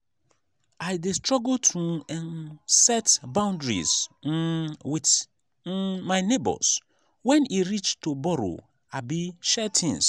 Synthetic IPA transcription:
aɪdestɹɔɡltʰũɛ̃nsɛtbãʊ̃ndɹḭz | wit | maɪnebɔ̰s | wɛ̃niɹit͡ʃtʰubɔɾo̰ | abiʃɛtʰɪ̃ŋs

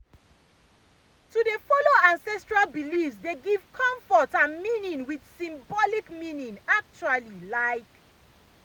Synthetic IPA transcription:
tudefɔloãnsɛstɹalbilifsdeɡiv̥kʰɔ̃ɱfɔtãnmĩnĩŋwid̥sĩmbɔlikmĩnĩŋak̚t͡ʃualilaɪk

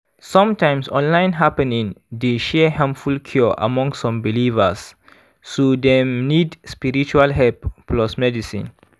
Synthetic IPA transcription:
sɔ̃mtãj̃msɔ̃nlãɪ̃nɦapɛnĩŋdeʃɛhãmpfulkʰjɔʔa̰mɔ̃ŋsːɔ̃mbilivə̰sː | odɛ̃mnidspiɹit͡ʃualɦɛlppːlɔsmɛdisḭ̃n

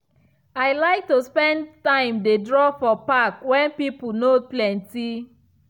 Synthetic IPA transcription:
aɪlaɪk̚tuspɛ̃ndtãɪ̃mdedɹɔfɔpakwɛ̃npip̩noplɛ̃nti

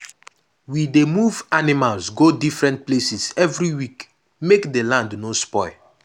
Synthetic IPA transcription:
widemuvanimalsɡodifɹɛ̃nt̚plesisɛvɹiwik | mekdelãndnospɔɪ

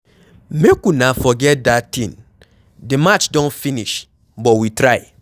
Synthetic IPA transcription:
mekunafɔɡɛt̚datĩn | demat͡ʃdõnfiniʃ | bɔwitɾaɪ

